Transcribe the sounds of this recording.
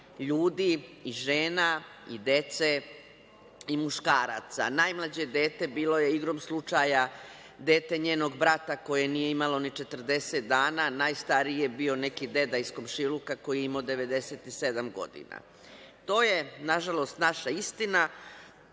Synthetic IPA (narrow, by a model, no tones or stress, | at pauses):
ʎuːd̪iːʒeːnaid̪e̞t̪se̞ | imuʃkaːɾat̪sa̰najmlˠad͡ʑe̞d̪e̞ːt̪e̞biːlo̞je̞iɡɾomslˠut͡ʃaja | d̪e̞ːt̪e̞ɲeːno̞ɡbɾat̪ako̞je̞nije̞imalo̞nit͡ʃe̞t̪r̩d̪e̞set̪̚d̪aːnanajst̪aɾijebio̞ne̞kid̪e̞d̪aiskomʃilukako̞jiimod̪e̞ʋe̞d̪e̞set̪ise̞d̪amɡo̞̰d̪ḭna̰ | t̪o̞ːjenaʒalˠo̞st̪naʃaist̪ina